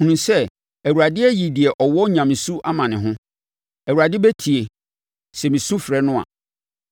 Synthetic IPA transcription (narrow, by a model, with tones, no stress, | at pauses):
ũ˨nũ˨sɛ˦ | æ˨wu˨ɾa˨dɪ˦ɛ˦ji˨di˨ɛ˨ʔɔ˨wɔ˦ɲã˨m̃˨su˦ʔa˦mã˨nɪ̃˨ɦʊ̃˦ | æ˨u˨ɾa˨dɪ˦bɛ˦tʰi˨e˨ | sɛ˨mĩ˨sũ˦fɾɛ˦nʊ̃˦a̰˨